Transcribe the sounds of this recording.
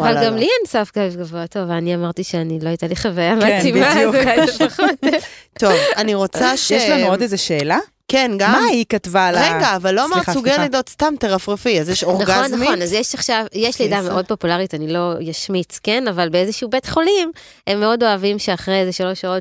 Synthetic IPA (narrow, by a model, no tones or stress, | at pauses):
avalɡamliansafɡaifɡavoatovaniamaʁtiʃeanilo̞ajtaliχavajamatimmaefaχot̪tovaniʁo̞t͡saʃjeɛʃlanuodezeʃeːla | kenɡamaikatvalʁeɡaːvalːoamaʁsuɡellejdotstamteʁafʁefiazjɛʃoʁnɡχaonːamionazjeʃaχʃavjeʃlejdameʔo̞d̚po̞pulaʁitanilo̞jaʃmit͡skenavalbeezeʃiubetχo̞lim | e̞mːeo̞do̞avimʃeaχʁejezeʃalo̞ʃao̞t